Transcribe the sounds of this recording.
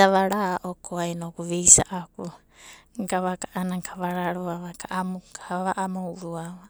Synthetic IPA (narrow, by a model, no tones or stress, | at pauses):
aβaɾaʔokʰoajnokuβejsa̰ʔaku | ŋɡaβakaʔanaŋkʰaβaɾaɾoaβakaʔamukaβaʔamowɾua